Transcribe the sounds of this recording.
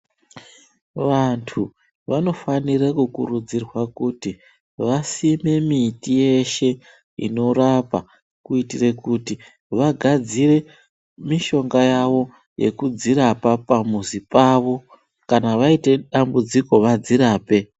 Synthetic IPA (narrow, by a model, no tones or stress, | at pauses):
ʋantʰu | ʋano̞fanirakukṵrud͡zirwakuti | ʋasime̞mitije̞ʃe̞ | ḭno̞rapa | kuitire̞kuti | ʋaɡʱad͡zire̞ | miʃo̞ŋɡajaʋo̞ | je̞̰kud͡ziɾapapamuzipaʋo̞ | kanaʋaite̞ɗambud͡ziko̞ʋad͡ziɾaːpe̞